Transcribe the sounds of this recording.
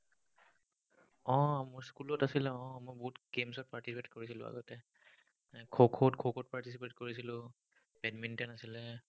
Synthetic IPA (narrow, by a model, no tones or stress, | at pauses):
ɔ̃mɔɹskulɔtasilɛɔ̃mojbɔɦutɡemsɔt̚paɹtisipetkoɹisilʊ̰̃a̰ɡɔtɛ | kʰokʰotkʰokʰot̚paɹtisipetkoɹisilʊ̃ | pɛdmintɛnasilɛ